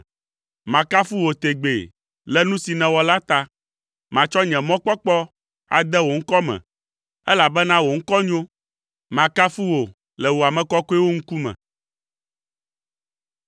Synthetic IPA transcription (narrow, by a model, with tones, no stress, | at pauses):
mã˨ka˦fu˦wo˨t̪e˨ɡ͡bḛ˨ | lɛ˦nũ˦si˨nɛ̃˨wɔ˨la˦t̪a˦ | mã˨t͡ʃɔ˦ɲɛ̃˨mɔ̃˦k͡pɔ˦k͡pɔ˦ | a̰˨d̪ɛ˦wo˨ŋ̩˦kɔ˦mɛ̰̃˨ | ɛ˦la˨bɛ˦nã˦wo˨ŋ̩˦kɔ˦ɲõ˦ | mã˨ka˦fu˦wo˨ | lɛ˨wo˨a˨mɛ̃˨kɔ˦kɔ˦ɛ˦wo˦ŋ̩˦ku˦mɛ̰̃˨